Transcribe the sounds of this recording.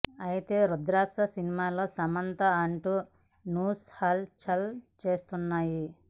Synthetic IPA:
ɐjit̪e̞ːɾud̪ɾaːkʂɐsinimaːlo̞ːsɐmɐnt̪ɐɐɳʈu | nuːshaːlt͡ʃɐlt͡ʃe̞ːst̪unːaːji

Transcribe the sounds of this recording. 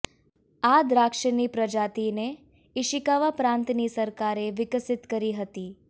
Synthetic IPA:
ad̪ɾakʃənipɾəd͡ʒat̪ine | ɪʃɪkaʋapɾãnt̪nisəɾkaɾeʋɪkəsɪt̪kəɾiɦət̪i

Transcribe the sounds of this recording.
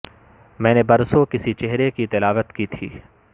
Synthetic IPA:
mɛ̃ːnebɐɾsokɪsit͡ʃeɦɾekit̪ɪlaːʋət̪kiːt̪ʰiː

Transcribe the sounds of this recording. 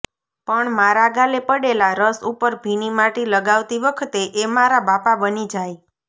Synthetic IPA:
pəɳmaɾaɡalepəɽelaɾəsupəɾbʱinimaʈiləɡaʋt̪iʋəkʰət̪eʔemaɾabapabənid͡ʒaj

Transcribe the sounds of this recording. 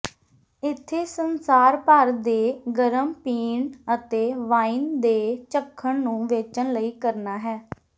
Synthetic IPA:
ɪt̪ʰːeːsənsaːɾpəɾd̪eːɡəɾəmpiːɳət̪eːʋaːiːnd̪eːt͡ʃəkʰːəɳnũːʋeːt͡ʃənləiːkəɾnaːɦɛː

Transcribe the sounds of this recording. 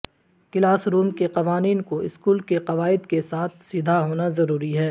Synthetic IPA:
kɪlaːsɾuːmkeqɐʋaːniːnkoɪskuːlkeqɐʋaːɪd̪kesaːt̪̚ʰsɪd̪ʱaɦoːnazɐɾuːɾiɦɛː

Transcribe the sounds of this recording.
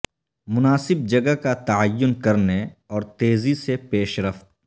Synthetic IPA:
mʊnaːsɪb̚d͡ʒɐɡəkat̪ɐajːʊnkɐɾneɔːɾt̪eːzisepeːʃɾɐft̪̚

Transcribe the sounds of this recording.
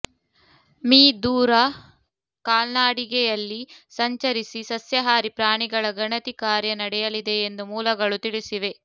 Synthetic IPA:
miːd̪uːɾɐ | kaːlnaːɽiɡɛjɐlːisɐɲt͡ʃɐɾisisɐsjɐɦaːɾipɾaːɳiɡɐɭɐɡɐɳɐt̪ikaːɾjɐnɐɽɛjɐlid̪eːnd̪umuːlɐɡɐɭut̪iɭisiʋe̞

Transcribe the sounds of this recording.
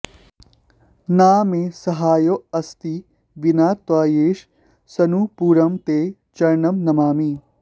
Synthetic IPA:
naːmẽsɐɦaːjoɐst̪i | ʋinaːt̪ʋaːjeːʃ | sɐnupuːɾɐmt̪eː | t͡ʃɐɾnɐmnɐmaːmi

